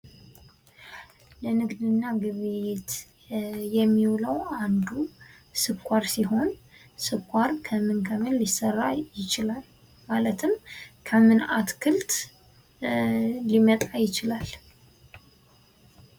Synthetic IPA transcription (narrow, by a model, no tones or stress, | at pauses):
lənɨɡd̪ɨnːaɡɨβet̪ | jɛmːiwləwand̪u | sɨkʷʰʼːaɾsiɦho̞n | sɨkʰʷʼːaɾkʰəmɨnkʰəmɨnlisərːajɪt͡ʃɪlal | malət̪ʰɨmkʰəmɨnat̪kʰɨlt̪ | limət̪ʼajɪt͡ʃɪlal